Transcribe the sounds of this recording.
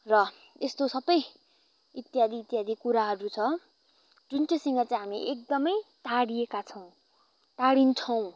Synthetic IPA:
rʌ | est̪osʌbʌj | it̪jad̪ʱiːt̪jad̪ʱikuɾaɦʌɾut͡sʰʌ | d͡zunt͡sisiŋɡʌt͡sãj̃ɦamiʔek̚d̪ʌmʌjt̪aɽiekat͡sʰʌw̃ | t̪aɽint͡sʰʌw̃

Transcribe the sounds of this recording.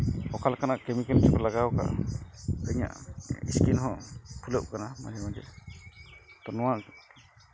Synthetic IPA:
ɔkalkanaʔkəmikɛnt͡ʃʰɛpɛlaɡawka̰ʔ | əɲa̰ʔḭskinɦɔ̃pʰuləp̚kanama̰d͡ʒɛmad͡ʒɛ̰ | t̪ɔnɔwaʔ

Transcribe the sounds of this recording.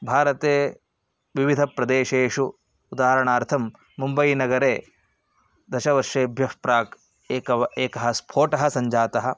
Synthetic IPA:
bʱaːɾɐt̪eː | ʋiʋid̪ʱɐpɾɐd̪eːʃeːʂu | ud̪aːɦɐɾɐɳaːɾt̪ʰɐmː | umbɐjinɐɡɐɾeː | d̪ɐʃɐʋɐɾʂeːbʱjɐʂpɾaːk | eːkɐɐeːkɐɦɐspʰoːʈɐɦɐ̆sɐɲd͡ʒaːt̪ɐɦɐ̆

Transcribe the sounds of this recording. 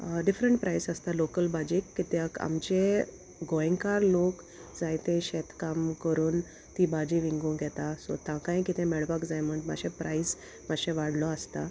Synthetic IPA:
ɖifɾəɳʈ̚pɾʔajsəst̪alokəlbad͡ʑikːit̪aka̰mt͡ɕe | ɡɔ̃jŋkaɾlok | d͡zajt̪ẽɕɛt̪kamkəɾuːn | t̪ibad͡ʑiʋĩŋɡũɡʱɛt̪asɔ̰t̪ãkãj̃kit̪ʰẽmɛɭbakd͡zajm̤əɳma̰ɕẽpɾais | maɕɛ̃ʋaɽ̤lɔəst̪a

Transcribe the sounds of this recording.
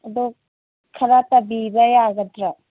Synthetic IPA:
ɐdu | kʰɐɾatɐbibɐjaɡɐtɾa

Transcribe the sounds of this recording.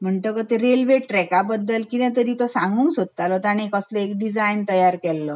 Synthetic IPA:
m̤əɳʈəkət̪eɾelʋeʈɾɛkabəd̪ːəlkinɛ̃t̪̬əɾiːt̪ɔsãŋɡũːnsod̪̚t̪alɔt̪aɽ̃ekəslɔekɖid͡zajnt̪əjaɾkɛlːɔ

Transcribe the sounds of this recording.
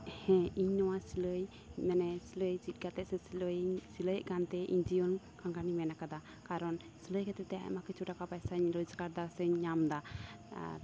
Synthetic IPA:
hɛ̃iɲnɔwasiləj | mɛnɛsiləjd͡ʒit̪̚ˀɡat̪ɛʔsɛ | siləjəʔkant̪ɛʔḭɲd͡ʒijɔn | kaŋɡanimɛnakad̪a | kaɾɔn | siləjkɛt̪ɛt̪ɛa̰ʔmakɛt͡ʃuʈakapajsaɲɾɔd͡ʒɡaɾd̪asəɲːamd̪a

